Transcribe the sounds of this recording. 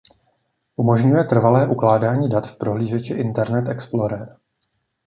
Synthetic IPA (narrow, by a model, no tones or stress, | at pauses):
ʔumo̞ʒɲujɛt̪r̩valɛːʔuklaːdaːɲiːdat̪fpɾo̞ɦliːʒɛt͡ʃɪʔɪnt̪ɛɾnɛt̪ɛksploɾɛɾ